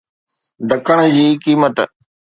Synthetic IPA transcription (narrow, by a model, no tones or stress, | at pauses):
ɖʱəkʰaɽ̃d͡ʑiːkiːmət̪